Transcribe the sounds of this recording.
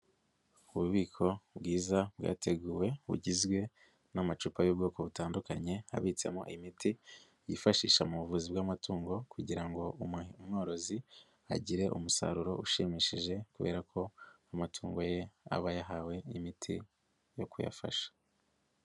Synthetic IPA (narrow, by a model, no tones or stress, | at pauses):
uβuβiːkʰo̞bɡiːzabɡa̰ːtʰe̞ɡuːwe̞βṵɟizɡwe̞ | namat͡ʃupajub̚ɡo̞ːko̞βutaːndukaɲe̞a̰βit͡semoʔa̰imiti | jifaʃiːʃamuβuvuzibɡamatuːŋɡo̞kuɟiɾaŋɡo̞umŋoːɾo̞zi | a̰ɟiɾe̞ʔumusa̰ɾuɾo̞uʃiːmiʃiʒe̞kuβe̞̰ːɾakʰo̞amatʰuːŋɡo̞je̞a̰βajaɦawe̞imitʰḭ | jo̞kuja̰fa̰ʃḁ